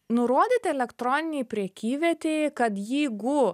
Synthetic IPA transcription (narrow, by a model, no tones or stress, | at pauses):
nʊɾoɔd̪ʲiːt̪ʲɛlʲɛkt̪ɾoːnʲɪnʲɛjpʲɾʲiɛkʲiːʋʲɛt̪ʲekɐt̪jiːɡʊ